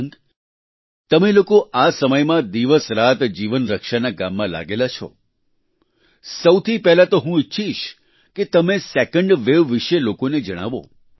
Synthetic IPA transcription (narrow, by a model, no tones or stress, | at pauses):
ŋk | t̪əmelokoʔasəməjmãd̪iʋəsɾat̪d͡ʒiʋənɾəkʃanaɡamːãla̰ɡelat͡ʃʰɔ̰ | səwt̪ʰipɛɦlat̪oɦũitːʃʰiʃ | ket̪əmesekəɳɖʋeʋːiʃelokoned͡ʒəɽ̃a̰ʋo̰